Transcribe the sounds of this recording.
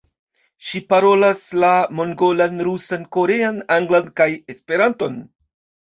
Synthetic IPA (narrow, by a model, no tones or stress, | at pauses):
ʃipaɾo̞laslamo̞ŋɡo̞lanɾusanko̞ɾeanaŋɡlankajespe̞ɾanto̞n